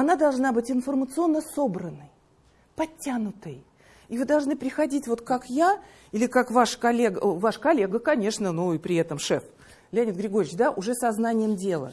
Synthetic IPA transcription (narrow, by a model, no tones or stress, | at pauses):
ɐnad̪ɐlˠʐnabɨtʲɪnfərmət̪sɨo̞nːəso̞bɾənːəj | pɐtʲːanʊt̪əj | ivɨd̪ɐlˠʐnɨpɾʲɪxɐdʲitʲvo̞t̪kakja | ilʲɪkakvaʂkɐlʲeɡəvaʂkɐlʲeɡəkɐnʲe̞ʂnənuɪpɾʲɪɛt̪əmʂɛ̰f | lʲɐnʲɪt̪ɡɾʲɪɡo̞ɾʲɪt͡ɕd̪aʔʊʐɛsɐznanʲɪjəmdʲe̞lˠə̰